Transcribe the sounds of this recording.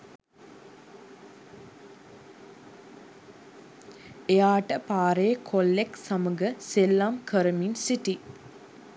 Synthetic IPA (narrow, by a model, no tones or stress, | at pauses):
ejaːʈəpaːɾeəkʰolːeksaməɡəselːamkʰəɾəminsiʈi